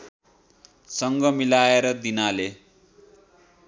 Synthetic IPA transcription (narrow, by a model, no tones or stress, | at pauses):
sʌŋɡʌmilaeɾʌd̪inale